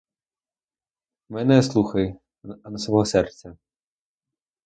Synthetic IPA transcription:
mɛnɛslˠuxɐj | nɐsʋɔɦɔsɛrt͡sʲːɐ

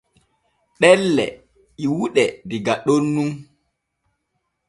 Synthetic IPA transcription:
ɗɛlːɛ̰ | iwuɗɛdiɡaɗonːum

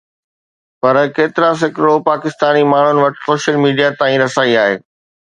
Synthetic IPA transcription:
pɐɾkeːt̪ɪɾas̬ɪkɾɪɽopaːkɪst̪aːnimaːɳ̤ʊnɪ̆ʋɐʈsoːʃəlmiːɖijat̪ãːĩɾɐsaːiaːɦḛː

